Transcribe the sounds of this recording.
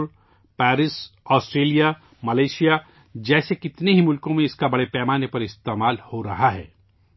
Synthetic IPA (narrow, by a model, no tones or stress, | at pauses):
ɾ | pɛːɾɪsɔːsʈɾeːlija | mɐleːʃija | d͡ʒɛːsekɪt̪neɦimʊlkõmẽɪskabɐɽepɛːmaːnepɐɾɪst̪eːmaːlhoɾɐɦaɦɛ̰ː